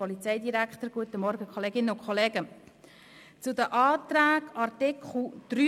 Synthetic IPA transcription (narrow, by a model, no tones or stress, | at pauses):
ɔlit͡sɛɪdiɾækχt̪əɾɡ̥uət̪əmɔɾɡəkʰχɔleːɡɪnːəʊkʰχoleːɡ̥ə | t͡sʊd̪əʔɑːt̪ɾæːɡɑɾt̪ɪkχl̩d̪̥ry